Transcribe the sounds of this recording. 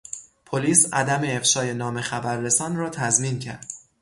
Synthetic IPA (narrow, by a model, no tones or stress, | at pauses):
pʰoliːsæd̪æmeːfʃɒːje̞nɒːme̞xæbæɾːe̞sɒːnrɒːt̪ʰæzmiːncʰæ̰ɾd̪̥